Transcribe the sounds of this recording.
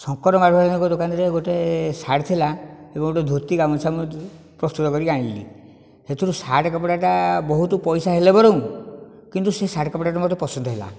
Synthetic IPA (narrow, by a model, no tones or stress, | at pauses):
sɔŋkɔɾɔmaɾbʱaɾɔnɔkɔd̪okanɔɾeɡoʈesaɽt̪ʰilaebɔŋɡoʈed̪ʱuɾt̪iɡamɔt͡ʃʰamɔ | pɾɔst̪ut̪ɔkɔɾiaɽ̃ĩlḭ | het̪ʰiɾusaʈkɔpʈaʈabɔɦut̪upɔjsaɦelebɔɾɔw̃kint̪usesaʈkɔpɽaʈamɔt̪ɔpɔsɔnd̪ʱɔɦela̰